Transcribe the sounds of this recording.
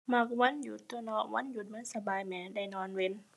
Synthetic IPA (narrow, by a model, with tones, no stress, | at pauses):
ma˧˩k̚wa˧˥˨nju˧˩t̪ːu˧nɔ˧˩ʔwʔa̰˧˥˨nju˧˦t̪̚mɯ˧˥˨nsa˧baː˨˩jmɛː˨˩da˧˩˨jnɔː˧˥˨nwe˧˥˨n